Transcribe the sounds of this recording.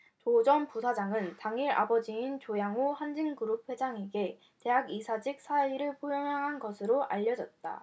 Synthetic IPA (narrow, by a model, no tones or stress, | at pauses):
t͡ɕod͡ʑʌnpusʰad͡ʑaŋɯntaŋiɾa̰bʌd͡ʑiint͡ɕojaŋohand͡ʑinkɯɾup̚ʰwe̞d͡ʑaŋe̞ɡe̞ | te̞ɦaɡisʰad͡ʑik̚s͈ʰaiɾɯɭpʰojʌŋaɦanɡʌsʰɯɾoʔa̰ʎːʌd͡ʑʌt̚t͈a̰